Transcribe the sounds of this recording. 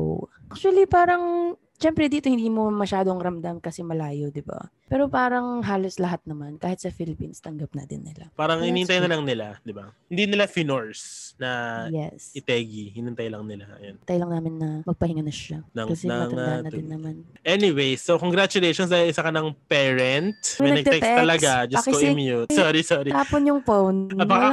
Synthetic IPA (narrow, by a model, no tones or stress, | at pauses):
ʔʔak̚t͡ʃwɐlipaːɾɐŋ | ʃɛmpɾɛd̪iːt̪ohɪnd̪iːmo̞mɐʃaːd̪oŋɾɐmd̪amkɐsɛmɐlaːjod̪ɪba̰pɛːɾopaːɾɐŋɦaːlo̞slɐɦat̪̚nɐmankaːhɪt̪̚sɐfilɪpinst̪ɐŋɡɐp̚nɐ̰d̪ɪ̰nːɪ̰la̰paːɾɐŋɪniːhɪnt̪ajnɐlɐŋnɪlad̪ɪbahɪnd̪inɪlafinoɹsnɐjɛsɪt̪ɛɡihɪnɪnt̪ɐjlɐŋnɪlaʔɐ̰jonɪt̪ɐjlɐŋnaːmɪnːɐmɐɡ̚pɐhɪŋɐnɐʃanɐŋkɐsɛɐmɐɐnd̪aːnɐd̪d̪ɪnːɐmanʔɛnɪwejsokoŋɡɾat͡ʃʊlejʃonsɐʔɪsɐkɐnɐŋpɛɹɛnt̪̚mɛɛnɐnɐɡd̪ɛɛkt̪sɛt̪ɐlɐɡad͡ʒɐɐoʔɛmjut̪soɾisɔɾiaːponjʊŋfownɐbɐka